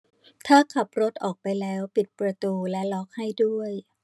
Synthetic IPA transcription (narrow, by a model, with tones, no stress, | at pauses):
t̪ʰaː˥˩kʰa˨˩p̚ɾo˦˥t̪̚ʔɔː˨˩k̚pa˧jlɛː˦˥wpi˨˩t̪̚pɾa˧t̪uː˧lɛ˦˥lɔ˦˥k̚ha˥˩jdu˥˩əj